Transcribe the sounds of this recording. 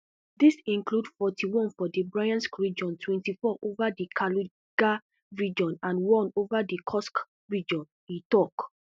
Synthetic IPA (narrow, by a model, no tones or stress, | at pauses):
disĩŋkludfɔtʰiwɔ̃nfɔdibɹajãnskɹid͡ʒɔ̃ntʰwɛ̃ntifɔʔovadikʰalu | ɡa | ɹid͡ʒɔ̃nãnwɔ̃novadikʰɔsk | ɹid͡ʒɔ̃n | ĩtɔk